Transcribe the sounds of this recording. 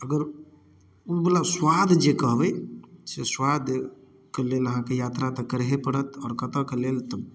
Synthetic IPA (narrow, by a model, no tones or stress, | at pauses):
əɡəɾ | ubolaswaːd̪ʱd͡ʒekəɦʋəseswaːd̪ʱ | keleːləɦãkejaːt̪ɾat̪əkəɾɦepəɽət̪ɔːɾkət̪əkeleːlt̪ə